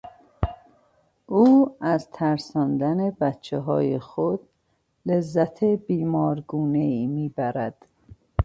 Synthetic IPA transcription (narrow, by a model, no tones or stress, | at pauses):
ʔuːæzt̪ʰæɾsɒːnd̪æne̞bæt̪t͡ʃʰːeɦɒ̰ːjexod̪̥ | le̞zːæt̪ʰebiːmɒːɾɡuːneiːmiːbæɾæd̪̥